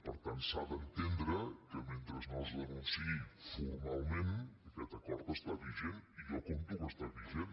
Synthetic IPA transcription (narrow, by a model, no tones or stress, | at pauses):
pəɾt̪ant̪saβənt̪end̪ɾəkəment̪ɾəznɔzɣənunsiifuɾmalˠmenəkɛt̪əkɔɾðost̪aβiveniʒɔkont̪uɣəst̪aβiven